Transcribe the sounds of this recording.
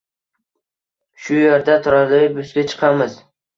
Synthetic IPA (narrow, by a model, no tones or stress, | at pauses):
ʃʊjeɾd̪at̪ʰʊɾaɾlaɪbʊsɡʲat͡ʃʰɨ̥qʰɑmɪz